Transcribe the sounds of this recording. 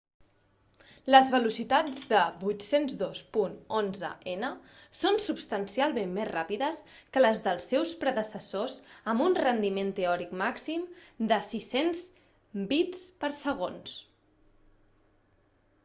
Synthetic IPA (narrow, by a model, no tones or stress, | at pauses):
ləzβəlusit̪ad͡zðəβut̪senzðospunonzə̰ʔenəsonsupst̪ənsialˠmemːezrapiðəs | kələzðəlˠsːɛwspɾəðəsəsozəmbunrənd̪iment̪eɔɾikmaksimd̪əsisenz | bit͡spəɾsəɣ̞ons